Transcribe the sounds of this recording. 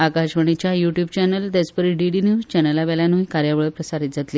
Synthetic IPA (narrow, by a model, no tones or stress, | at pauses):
akaɕʋəɳ̃it͡ɕjajuʈjubt͡ɕɛnəld̪espəɾiɖiɖinjuzt͡ɕɛnəlaʋɛlanuikaɾjaʋɭəpɾəsaɾit̪̚d͡zat̪liː